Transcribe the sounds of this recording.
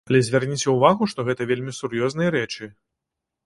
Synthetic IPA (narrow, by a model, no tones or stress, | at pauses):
ɐlʲɛzʲvʲarnʲit͡sʲɛuvaɣuʂt̪ɔɣɛt̪ɐvʲelʲmʲisurjɔznɨjɐɾɛt͡ʂɨ